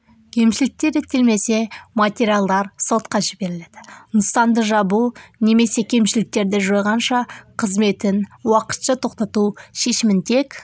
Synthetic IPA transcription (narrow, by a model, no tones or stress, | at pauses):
kʲʰe̞mʃɪlɪk̚t̪e̞ɾet̪ːe̞lme̞se̞mat̪ʲeɾialˠd̪ɑɾso̞t̪qɑʒɪbe̞ɾɪle̞d̪̥ɪnəst̪ɑnd̪əʒɑbune̞me̞se̞kʲʰe̞mʃɪlɪk̚t̪e̞ɾd̪ɪʒo̞jʁɑnʃɑqʰəzme̞t̪ɪnwɑqə̥t̪ʃət̪ʰo̞qt̪ɑt̪uʃe̞ʃɪmɪnt̪ʰe̞k